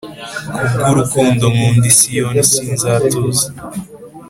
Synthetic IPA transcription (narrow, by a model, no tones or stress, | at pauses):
kubɡuɾukuːndomuːndisijonisiːnzaːtuza